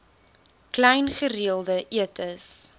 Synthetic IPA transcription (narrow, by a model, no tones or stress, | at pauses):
klɛjnχəɾiəlˠdəʔiətʰəs